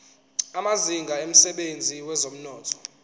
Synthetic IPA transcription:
amaziŋɡʱaem̩sɛɓend͡zʱiwɛzom̩nɔːtʰɔ̥

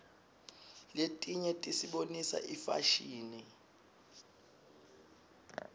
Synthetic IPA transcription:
letʼiɲɛtʼisiɓonisa̰ʔifa̰ʃiːni

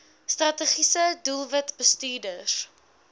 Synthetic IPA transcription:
strɐtəχisədulˠvətbəstyːdəs

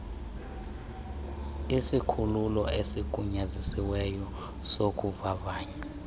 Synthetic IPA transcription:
isikʰululɔ̰esik̬ʼuɲazisiwɛjɔ | sok̬ʼuvaɓaːɲɛ

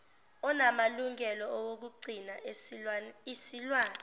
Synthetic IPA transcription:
ɔnamaluŋʱɛlɔɔwok̬uɡ͡ǀʱina | isilwaːnɛ

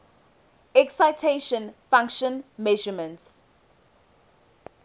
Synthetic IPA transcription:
ɛksaɪtʰeʃə̃nfãŋkʃə̃nmɛʒəmə̃nts

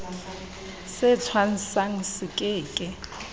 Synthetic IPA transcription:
sɪt͡sʰwan̩saŋ̩sɪkʼɪːkʼɪ

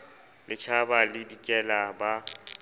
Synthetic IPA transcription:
lɪt͡ʃʰabalɪdikʼɛlaba

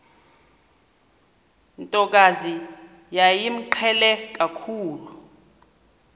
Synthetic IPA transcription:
ntʼɔk̬ʼazi | jajim̩ǃʰɛlɛk̬akʰuːlu

